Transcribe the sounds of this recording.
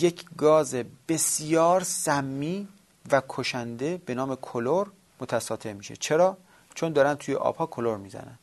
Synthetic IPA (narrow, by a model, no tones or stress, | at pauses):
je̞kʰɡɒːzeb̥e̞sjɒːɾsæmːiː | vækʰoʃænd̪e̞b̥e̞nɒːme̞kʰoloɾ | mot̪ʰæsɒːt̪ʰemiːʃḛt͡ʃʰe̞ɾɒː | t͡ʃʰond̪ɒːɾænt̪ʰuːjḛʔɒ̰ːb̥hɒːkʰoloɾmiːzæ̰næ̰n